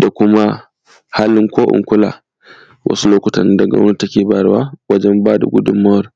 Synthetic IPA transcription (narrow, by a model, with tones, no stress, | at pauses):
da˨kʷʊ˦ma˦ | haː˦lɪ˦ŋkʷoː˦ʔʊ̰˨ŋkʷʊ˦la̰ː˨ | wʔɐ̰˦su˦loː˦kʷʊ˨tɐ˨n˦dɐ˨ɡa̰˦wna˦ta˦kʲeː˨baː˨˦ɾwaː˦wɐ˦d͡ʒɛ˦mbaː˦da̰˨ɡʷʊ˦dʊ˨mːɐ˦wɐ˨ɾ